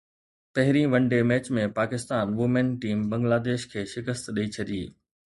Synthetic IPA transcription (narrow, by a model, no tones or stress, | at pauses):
pɐɦɪɾĩʋɐ̃ɳɖemɛːt͡ɕmẽpaːkɪst̪aːnʋʊmenʈiːmbɐ̃ŋɡlaːd̪eːʃkʰeːʃɪkəst̪ɗɐit͡ɕʰɐɗiː